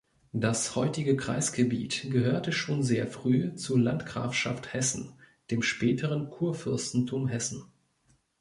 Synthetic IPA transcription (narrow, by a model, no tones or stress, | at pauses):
d̥ashɔʏtɪɡəkʁ̥a̰ɪsɡ̥əbiːtɡ̥əɦøːɐtəʃoːnzeːɐfʁ̥yːt͡suɐlantɡ̥ʁa̰ːfʃa̰fthɛsn̩ | d̥eːmʃpɛːtʰəʁ̞ənkʰuːɐfʏɐstn̩tʰuːmɦɛsn̩